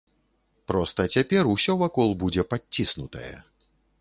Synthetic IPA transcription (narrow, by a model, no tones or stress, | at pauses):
pɾɔst̪ɐt͡sʲapʲɛrusʲɔvakɔlˠbud͡zʲɛpat͡sʲːisnut̪ɐ̰jɛ̰